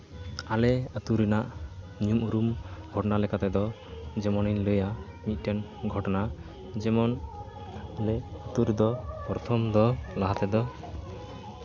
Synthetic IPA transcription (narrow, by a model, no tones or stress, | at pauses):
alɛət̪uɾinaʔ | niumuɾumɡʱɔʈɔnalɛkat̪ɛd̪ɔ | d͡ʒɛmɔninləja | mit̪̚ˀʈɛn | ɡʱɔʈɔna | d͡ʒɛmɔn | alɛət̪uɾid̪ɔpɾɔt̪ʰɔmd̪ɔlaɦat̪ɛd̪ɔ